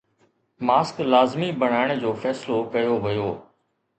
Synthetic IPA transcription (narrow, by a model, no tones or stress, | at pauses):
maːsklaːzmibəɽ̤aːɪɽ̃d͡ʑoːfɛːslokɐjoʋɪjoː